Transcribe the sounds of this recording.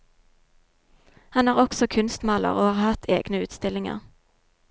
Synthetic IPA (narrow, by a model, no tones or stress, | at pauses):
hɑnæːʁɔksɔkʰʉnst̪mɑːlə̰ʁoːhɑːʁhɑt̪ʰḛːɡ̥nəʉːt̪st̪ɪlɪŋə̰ʁ